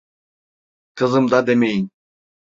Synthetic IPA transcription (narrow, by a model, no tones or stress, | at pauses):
qʰɯzɯmd̪ɑd̪emejin